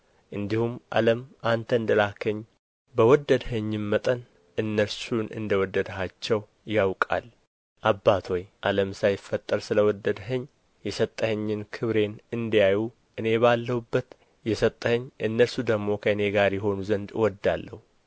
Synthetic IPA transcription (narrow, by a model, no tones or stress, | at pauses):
ʔɨnd̪ihumʔa̰ləmʔant̪ʰəɨnd̪əlakʰəɲː | bəwɔd̪ːəd̪həɲːɪmːət̪ʼən | ʔɨnːəlsunʔɨ̰nd̪əwɔd̪ːəd̪əɦat͡ʃːɛw | jawkʼa̰l | ʔabːat̪ʰo̞jʔaləmsajɪfːət̪ʼːəɾsɨləwɔd̪ːəd̪ɦəɲː | jɛsət̪ʼːəhəɲːɪnkʰɨβɾe̞nɨnd̪ijaju | ʔɨne̞balːəhubːət̪ | jɛsət̪ʼːəhəɲːʔɨnːəɾsud̪əɡmo̞kʰəɨne̞ɡaɾjɛɦo̞nuzənd̪ɨwɔd̪ːalːəhu